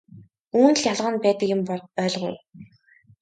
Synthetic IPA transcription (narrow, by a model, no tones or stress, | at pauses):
uːnɮjaɮʁə̆npæːt̪ə̆kjʊ̆mpɔɮœːɮʁʊj